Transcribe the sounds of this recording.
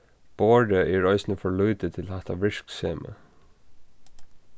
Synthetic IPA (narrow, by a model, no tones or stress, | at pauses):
b̥oːɖəʔɛɹɔʏsnəfɔɹɭuːt̪ət̪ʰɪlhɛt̪aʋɪɹ̥kseːmə̰